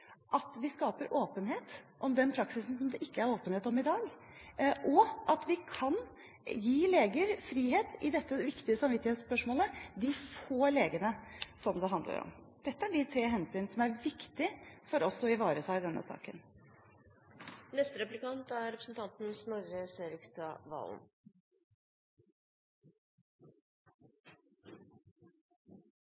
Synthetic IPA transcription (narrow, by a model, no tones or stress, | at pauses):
ʔɑt̪ʋɪskɑːpəɾʔoːpənɦeːt̪ʔɔmd̪ɛnpʰɾɑksɪsn̩sɔmd̪ɛʔɪkːəæɾoːpənheːt̪ɔmɪd̪ɑːɡ | ʔɔʔɑt̪ʋɪkʰɑn | jiːleːɡəɾfɾiːɦeːt̪ɪd̪ɛt̪ːəʋɪkt̪ɪəsɑmʋɪt̪ːɪheːt̪spœʂmoːləd̪ɪfoːleːɡənəsɔmd̪ɛɑnd̪lə̰ɾɔ̰md̪̥ɛt̪ːəæɖɪt̪ʰɾeːɦɛnsyːnsɔmæɾʋɪkt̪ɪfɔɾɔsɔɪʋɑːɾət̪ʰɑːɪd̪ɛnːə̰sɑ̰ːkən | nɛst̪əɾɛplɪkɑnt̪æɾɾɛpɾəsn̩t̪ʰɑnt̪n̩snɔɾəseːɾɪkst̪ɑʋɑ̰ːln